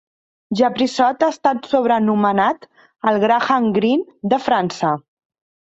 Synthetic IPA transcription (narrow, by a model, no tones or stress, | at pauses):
ʒəpɾisɔt̪aəst̪at̪soβ̞ɾənumənat̪ | əlˠɣɾaxaŋɡɾind̪əfɾansə